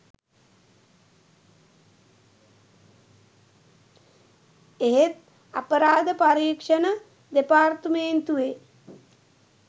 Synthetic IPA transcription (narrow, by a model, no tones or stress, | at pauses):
eɦet̪̚ | a̰pəɾaːd̪əpaɾiːkʂənə | d̪epaːrt̪əment̪uʋe